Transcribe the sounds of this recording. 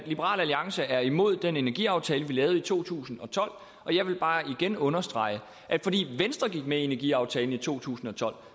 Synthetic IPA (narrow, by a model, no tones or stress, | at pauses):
lib̥əʁɑ̰̈ːlæliɑ̈ŋsəæɐimo̝ð̞̰ˠd̥ene̝næɐɡ̥ḭɑ̈ʊt͡sʰɛːləʋilɛːʊð̩ˠit͡sʰo̝̰ːt͡sʰṵːsn̩ɒ̽t͡sʰɒ̽l̰ | ʔɒ̽jɑ̈ɪʋe̝lb̥ɑ̈ːiɡ̥enɔ̽nɐsd̥ʁɑ̈ɪ̰ə | ʔæ̥fɒ̽d̥ḭːʋensd̥ʁɐɡ̥iɡ̥̚meie̝næɐɡiɑ̈ʊt͡sʰɛːln̩it͡sʰo̝̰ːt͡sʰṵːsn̩ɒ̽t͡sʰɒ̽l̰